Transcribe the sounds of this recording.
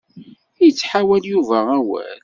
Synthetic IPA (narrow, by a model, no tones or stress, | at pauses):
jət͡sːħawæljuvææwæ̰l